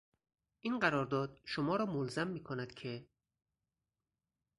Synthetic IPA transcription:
ʔiːnɢæɾɒːɾd̪ɒːd̪ʃomɒːɾɒːmolzæmːiːkʰonæd̪̥kʰe

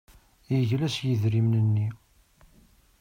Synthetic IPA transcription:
jəʝlæsjəðɾimnənːi

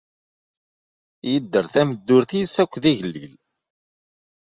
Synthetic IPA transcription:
jəd̪ːəɾθæməd̪ːʊɾθisækʷːðiʝlːḭl

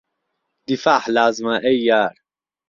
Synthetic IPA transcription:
d̪̥ifaːħlaːzmaʔɛjːaːɾ

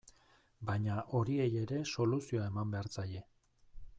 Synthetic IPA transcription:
baɲaʔo̞ɾie̞je̞ɾe̞so̞lusio̞ae̞mambe̞aɾt͡saje̞

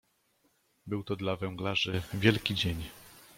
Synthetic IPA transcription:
bɘwt̪ɔd̪lavɛŋɡlaʐɘvʲjɛlkʲid͡ʑeɲ

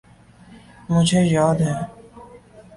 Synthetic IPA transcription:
mʊd͡ʒʱejaːd̪ɦɛ̃ː

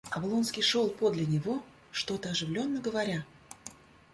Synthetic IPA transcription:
ɐvlˠonskʲɪjʂo̞lˠpo̞d̪lʲɪnʲɪvo̞ | ʂt̪o̞t̪əɐʐɨvlʲo̞nːəɡəvɐɾʲa

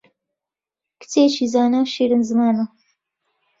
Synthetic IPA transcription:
kɨ̥t͡set͡ʃiːzaːnawʃiːɾɨnzɨmaːnɐ

